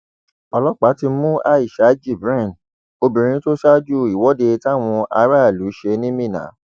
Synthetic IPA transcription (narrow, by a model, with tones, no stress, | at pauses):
ɔ˧lɔ˦k͡pa˨˦ti˧mũ˦a˧i˨ʃa˨˦d͡ʒi˦˨bɾɛ̃˦˨ | o˧bĩ˨ɾ̃ĩ˧˦to˦ʃa˦d͡ʒu˦˨i˨wɔ˨˦de˧ta˦˨w̃ɔ̃˧ʔa˧˦ɾa˦˨lu˨˦ʃe˧nĩ˦mĩ˦˨nã̰˨˦